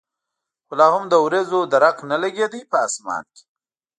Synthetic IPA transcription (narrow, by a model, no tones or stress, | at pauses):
xolɑːhʊmd̪əwɾezod̪aɾaqnalaɡed̪ipəasmɑ̰ːnke̥